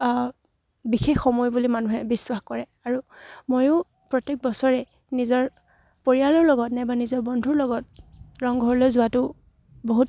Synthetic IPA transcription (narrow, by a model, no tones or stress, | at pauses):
bixexːɔmɔjbulimanuɦɛbiswaxkɔɹɛ | aɹumojʊ | pɹɔtek̚bɔsɔɹɛ | nizɔɹ | poɹialɔɹlɔɡɔtnɛbanizɔɹbɔndʱuɹlɔɡɔt̚ɹɔŋɡʱɔɹɔlojzʊatʊ | boɦut̚